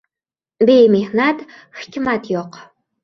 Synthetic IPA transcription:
bejmiːhnat | xkʲɪmatʰjoq

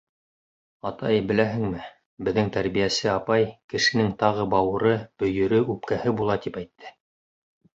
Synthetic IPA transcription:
ɑt̪ɑjbɘ̆læɦɘ̆ŋmɘ | bɘ̆ðːɘŋt̪æɾβijæsɘɑpɑjkɘ̆ʃɘ̆nɘŋt̪ɑʁɤbɑwɤ̆ɾɤb̥ɵ̆jɵ̆ɾɵʉp̚kæhɘbulˠɑt̪ipæjt̪ʰːɘ

